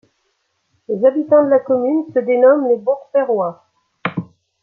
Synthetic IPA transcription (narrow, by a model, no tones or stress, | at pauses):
lezabit̪ɑ̃d̪əlakɔmynsəd̪enɔmlebɔ̃ʁfɛʁwa